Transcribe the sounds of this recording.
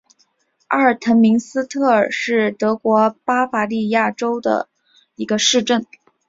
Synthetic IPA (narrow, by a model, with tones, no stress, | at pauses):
a˥˩ə˞˨˩t̪ʰə˧˥nmi˧˥ŋsɹ̩˥t̪ʰɤ˥˩ə˞˨˩ʂɻ̩˥˩t̪ɤ˧˥kwɔ˧˥pa˥fa˧˥li˥˧ja˥˩ʈ͡ʂo˥ʊd̪ə̰˩ | i˧˥ɡə˧ʂɻ̩˥˧ʈ͡ʂə˥˩n